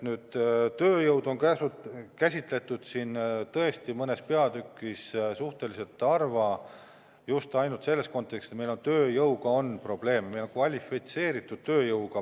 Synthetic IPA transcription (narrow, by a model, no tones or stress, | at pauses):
nyːd̪̥t̪øːjɤwd̪̥o̞nkæsud̪kæsʲit̪ˑle̞t̪ːˑud̪̥sint̪ɤe̞st̪imɤne̞spe̞ɑd̪ykːˑissuht̪e̞lise̞lt̪ˑːɑrvɑ | just̪ɑjnult̪se̞lːe̞sko̞nt̪ːˑekset̪me̞jlont̪øːjɤwɡɑo̞npro̞b̥le̞ːmmejlonkvɑlʲifit̪se̞ːɾit̪ːˑud̪̥t̪ø̞ːjɤwɡɑ